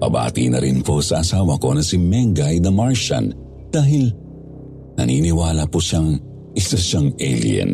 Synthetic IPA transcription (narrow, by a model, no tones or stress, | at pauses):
pɐ̰ba̰ːt̪ḭnɐ̰ɾɪnpo̞sɐʔɐsaːwɐko̞nɐsɪmɛŋɡɐjd̪ɐmaɹʃɐ̰n | d̪̥aːɦɪl | nɐ̰niːnɪwaːlɐpoʃaŋ | ʔɪsɐʃaŋɛ̰lj̰ɛ̰n